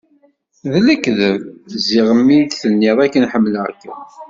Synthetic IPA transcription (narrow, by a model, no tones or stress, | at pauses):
ðlækːðəvzɪʁəmːid̪θənːɪðˤækːənħəmːlʕəkːæ̰